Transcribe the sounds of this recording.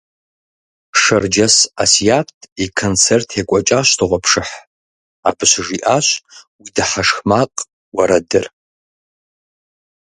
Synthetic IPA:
pʰʂɐrd͡ʒɐsasijatʰikʰont͡sʰertʰekʷʼɔt͡ʃʼaɕtʰɨʁʷapʰʂɨħ | abɨɕʷʐiʔaɕʷwidɨħaʂxmaqʼ | waɾɐdɨr

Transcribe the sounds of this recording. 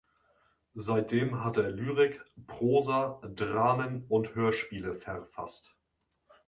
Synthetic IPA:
zaɪt̚d̥eːmɦateːɐlyːʁɪkpʁ̥oːzadʁaːmənʊnthøːɐʃpiːləfɛʁfa̰st

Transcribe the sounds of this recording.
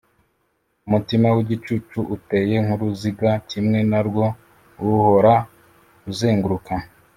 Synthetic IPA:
umutimawiɟit͡ʃut͡ʃuʔute̞ːje̞ŋ̥uɾuziɡacimŋe̞naɾɡwo̞ | wuho̞ɾa | uzeːŋɡuɾuka

